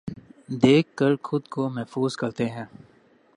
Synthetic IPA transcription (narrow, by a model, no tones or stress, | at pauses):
d̪eːkːəɾxʊd̪komɛɦfuːzkɐɾt̪eɦɛ̃ː